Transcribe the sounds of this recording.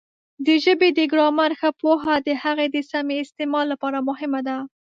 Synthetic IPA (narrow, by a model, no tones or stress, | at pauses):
d̪əʒəbed̪əɡɾɑmaɾxapoɦad̪əhaɣed̪əsameɪst̪emɑlːapɑɾamʊɦɪmad̪a